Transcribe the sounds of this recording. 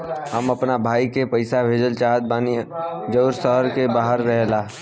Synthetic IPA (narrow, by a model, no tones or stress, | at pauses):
ɦəmɐpnabʱaːikepɐɪsabʱeːd͡ʒəlt͡ʃaːɦət̪̚baːnid͡ʒəʊɾsəɦəɾkebaːɦəɾːɛɦlaː